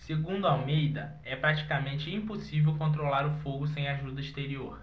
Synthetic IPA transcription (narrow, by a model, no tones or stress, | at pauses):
seɡũnd̪ʊawmejd̪ɐ | ɛpɾat͡ʃi̥kamẽnt͡ʃɪĩposivewkõnt̪ɾolaɾʊfoɡʊsẽj̃aʒud̪ɐiʃt̪eɾioɾ